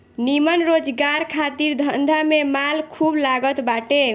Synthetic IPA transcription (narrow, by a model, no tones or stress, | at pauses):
nimənɾod͡ʒɡaɾkʰat̪iɾd̪ʱənd̪ʱamemalkʰublaɡət̪baʈe